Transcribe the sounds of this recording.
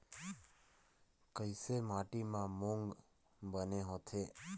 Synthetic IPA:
kəisemaʈimãmõŋɡ | bəneɦõt̪ʰe

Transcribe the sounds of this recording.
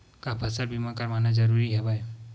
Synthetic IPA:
kabʱasaɾbimakaɾmanad͡ʒəɾuɾiɦɛbaj

